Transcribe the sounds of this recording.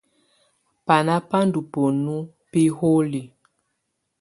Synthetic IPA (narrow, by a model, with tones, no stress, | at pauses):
pa˨na˦pa˦ndu˨po˨nu˦ | pi˦ho˦li˨